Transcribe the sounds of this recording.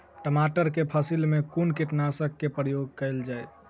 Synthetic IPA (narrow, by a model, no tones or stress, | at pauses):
ʈəmaʈəɾkepʰəsilmekunkeʈnasəkːepɾəjoɡ̚kəɪld͡ʒaj